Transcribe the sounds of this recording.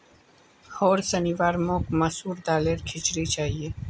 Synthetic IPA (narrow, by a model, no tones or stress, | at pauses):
hoːɾsənɪʋaːɾmõːkmɐsuːɾd̪aːleːɾkʰɪt͡ʃɾit͡ʃaːɦieː